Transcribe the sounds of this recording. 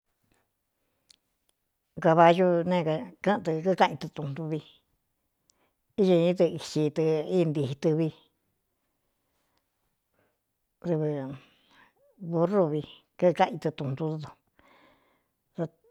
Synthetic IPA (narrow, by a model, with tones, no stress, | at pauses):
ka˧βa˧ju˧nẽ˦˧ka˧kã˦˧t̪ɨ˧kɨ˦˧kã˦ʔĩ˧t̪ɨ˧t̪ũ˧˨nt̪u˧βi˧ | i˦jo˧ĩ˦t̪̬ɨ˧i˨t͡ʃi˧t̪ɨ˧i˦˧nd̪i˧hi˧t̪ɨ˧βi˧ | ɾɨ˧βɨ˧ | βu˧ru˧βi˧ | kɨ˦˧kã˦ʔĩ˧t̪ɨ˧t̪ũ˧nd̪u˧t̪u˧t̪o̥˧ | t̪a˧